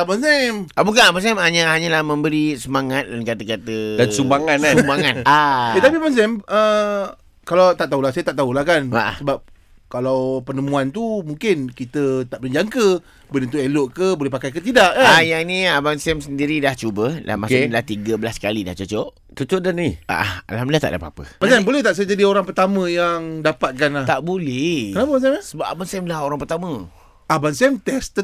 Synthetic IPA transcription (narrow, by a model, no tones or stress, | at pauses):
abans̬ɛmʔabukanabans̬ɛmaɲahaɲalahmə̃mbəɾisəmaŋat̪̚dankat̪əkat̪ədansumbaŋansumbaŋanaet̪apiabans̬ɛmə | kalawt̪aʔt̪aɦulasajət̪aʔt̪aulahkanaʔsəbap̚ | kalawpərnəmũant̪umuŋkɪnkit̪ət̪aʔbənɲd͡ʒaŋkə | bənent̪ueloʔkəbolɛhpakajkət̪idaʔkaajaniabansɛmsəndiɾidaht͡ʃubəla̰omakelaht̪iɡəbəlaskalida̰ht͡ʃot͡ʃɔʔ | t͡ʃot͡ʃɔʔdənnia̰ʔaha̰lhamlaht̪a̰ʔdapaapəmat͡ʃanbolɛht̪aʔs̬ajəd͡ʒadioɾaŋpərt̪amə̃jaŋdapat̪̚kanlat̪aʔbolɛhənapəbansɛmsəbap̚abansɛmlahoɾaŋpərt̪amə̃ | abansiɛmt̪ɛst̪ə